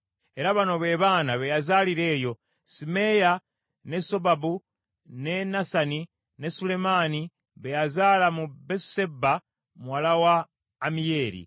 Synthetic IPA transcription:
e̞ɾaβano̞βe̞ːβaːnaβejazaːliɾe̞ːjo̞ | sime̞ja | ne̞so̞babu | ne̞nasani | ne̞sule̞maːni | βejazaːlamubesse̞ba | muwalawaː | mije̞ːɾḭ

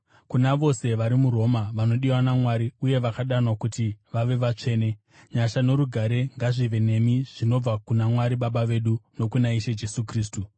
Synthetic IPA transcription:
kunaʋo̞se̞ʋaɾimuɾo̞maʋano̞ɗiwanamwaɾiuje̞ʋakaɗanwakutiʋaʋe̞ʋat͡ʂe̞ːne̞ | ɲaʃano̞ɾuɡʱaɾe̞ŋɡaʐiʋe̞ne̞miʐ̥ino̞b͡vakunamwaɾiɓaɓaʋe̞ɗuno̞kunaiʃed͡ʒe̞sukriːs̬tu

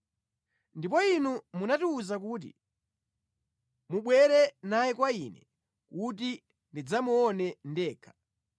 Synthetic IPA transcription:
ndipɔinumunatiuzak̬uːt̬ḭ | muɓwɛɾɛnajɛkwainɛ | kut̬i | ndid͡zamuɔnɛndɛːkʰḁ

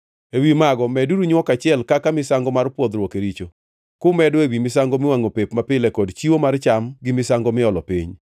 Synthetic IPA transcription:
ewimaɡɔmɛduɾuɲwɔkat͡ʃɪɛlkakamɪsaŋɡɔmarpwod̪ɾwɔkeɾit͡ʃo | kʊmɛdwewimɪsaŋɡomɪwaŋopepmapɪlɛkɔdt͡ʃiwomart͡ʃamɡɪmɪsaŋɡɔmɪɔlɔpḭɲ

